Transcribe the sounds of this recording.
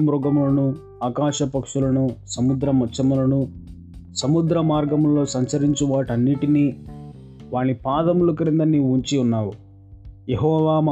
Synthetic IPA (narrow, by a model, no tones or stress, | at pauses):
mɾɔɡɐmulɐnu | aːkaːʂɐpɐkʂulɐnusɐmud̪ɾɐmɐt͡ʃːɐmulɐnu | sɐmud̪ɾɐmaːɾɡɐmlo̞ːsɐɲt͡ʃɐɾiɲt͡ʃuʋaːʈɐnːiʈiniː | ʋaːɳːipaːd̪ɐmulukɐɾind̪ɐnːiːuɲt͡ʃiunːaːwu | jeɦɔːʋaːm